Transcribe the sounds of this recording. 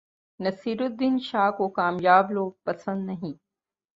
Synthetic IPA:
nɐsiːɾʊd̪ːinʃaːkokaːmjaːbloːɡ̚pɐsə̃nd̪nɐɦĩː

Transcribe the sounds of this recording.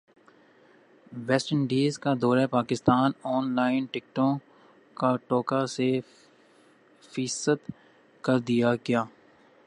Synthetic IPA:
ʋɛːsʈəɳɖiːzkad̪ɔːɾapaːkɪst̪aːnɔːnlaːɪnʈɪk̚ʈõ | kaʈɔːkase | fiːsət̪ | kɐɾd̪ijaɡjaː

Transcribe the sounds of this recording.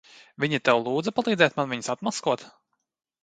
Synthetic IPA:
vʲiɲit̪ɛwlˠuːd̪zapalˠiːd̪zɛːt̪̚manviɲsat̪maskuɔt̪

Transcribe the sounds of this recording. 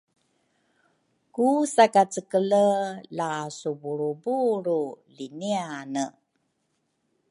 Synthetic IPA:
kusakat͡səkələlasubuɾubuɾulinianə

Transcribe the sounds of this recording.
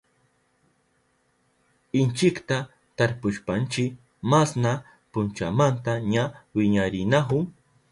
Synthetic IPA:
ɪnt͡ʃɪkt̪a | t̪aɾpʊʃpant͡ʃɪ | masna | pʊnt͡ʃa̰mant̪aɲawɪɲaɾɪnahʊ

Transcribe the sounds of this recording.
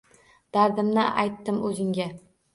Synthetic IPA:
d̪̥aɾd̪ɪmnɪʔa̰jt̪ːɪmɵzɪŋɡʲa

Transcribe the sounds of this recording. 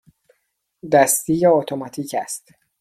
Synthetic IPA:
d̪æst̪iːjeot̪ʰomɒt̪ʰiːcʰæst̪

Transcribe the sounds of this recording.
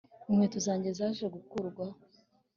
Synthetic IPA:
mŋwetuzaːɲɟezaʒeɡukuɾɡwa

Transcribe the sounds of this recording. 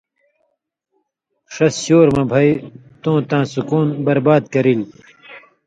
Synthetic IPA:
ʂɐsɕoːɾmɐbʱɐj | t̪õːt̪ãːsukuːnbɐɾbaːd̪̚kɐɾil

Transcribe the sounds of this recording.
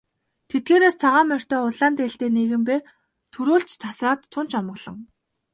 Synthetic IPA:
t̪ʰet̪̚ɡeːɾeːst͡sʰaʁaːmœr̥ʲt̪œːʊɮaːnt̪eɬt̪eːneɣɘ̆mpeːr | t̪ʰɵɾuːɬt͡ɕt͡sʰasraːt̪ːʰʊnt͡ɕɔmɢɞ̆ɮ̥ɞ̆ŋ

